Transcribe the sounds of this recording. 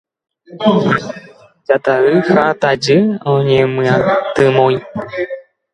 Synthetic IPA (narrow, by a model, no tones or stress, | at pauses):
d͡ʒat̪aɾɨhat̪ad͡ʒɨõɲẽmɨ̃at̪ɨmõi